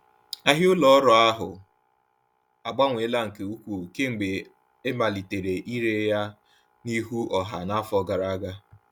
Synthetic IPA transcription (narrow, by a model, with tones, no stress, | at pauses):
a˦ɦɪ˦ʊ˦lɔ˦ɔ˦ɾɔ˨a˦ɦʊ˨ | a˨ɡ͡ba˦ŋʷe˨˦la˦ŋ̩˨ke˨u˦kʷu˨ke˦ŋ͡m̩˨ɡ͡be˨ | e˦ma˨li˨te˨ɾe˨ʔi˦ɾe˦ja˦ | ni˦ɦu˦ʔɔ˨ɦa˨na˦fɔ˦ɡa˨ɾa˨a˦ɡa˦